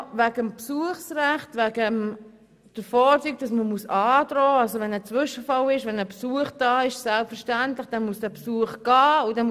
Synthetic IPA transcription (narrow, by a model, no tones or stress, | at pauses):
væɡəmpsuəχsɾæχtʋæɡəm | d̥əɾfɔːt͡syːk̚d̥ɑsməmusɑːd̥ɾɔːɑlsoʋɛnət͡sʋʏʃəfɑlɪʃʋɛnəpsuəχd̥ɑːɪʃsælpfəɾʃtæntlɪχd̥ɛnmusd̥æpsuəχɡ̥ɑːʊdɛn